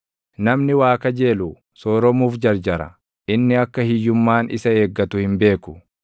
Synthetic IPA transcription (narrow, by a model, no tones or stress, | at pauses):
nɐmnɪwaːkɐd͡ʒe̞ːluː | soːɾɔmuːfd͡ʒɐɾd͡ʒɐɾɐ̰ | ʔɪnːɪɐkːɐhɪjːʊmːaːnɪ̰sɐe̞ːɡːɐt̪ʊhɪmbe̞ːkʊ̥